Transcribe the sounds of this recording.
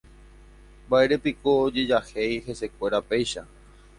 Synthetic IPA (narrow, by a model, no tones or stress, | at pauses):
bae̞ɾe̞pikoːd͡ʒe̞d͡ʒahejhe̞se̞kʷe̞ɾape̞jʃa